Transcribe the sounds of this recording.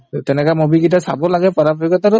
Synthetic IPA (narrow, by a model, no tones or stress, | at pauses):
tɛnɛkamobiɡit̬asabɔlaɡɛpaɹapikɔtaɾʊ